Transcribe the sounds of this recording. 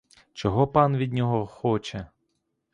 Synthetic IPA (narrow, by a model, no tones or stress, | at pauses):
t͡ʃɔɦɔpɑnʋʲid̪̚ʲnʲɔɦɔxɔt͡ʃɛ